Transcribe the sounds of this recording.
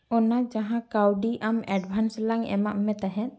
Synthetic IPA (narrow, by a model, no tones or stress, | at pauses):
ɔnad͡ʒaɦãkawɖiʔamɛɖbʱanslaŋɛ̰maʔmɛt̪aɦɛ̃t̪̚